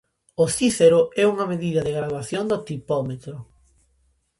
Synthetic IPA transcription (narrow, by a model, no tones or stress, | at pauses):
osiθeɾʊɛuŋɐmeðiðɐðeɣɾaðwaθjond̪ot̪ipɔmet̪ɾʊ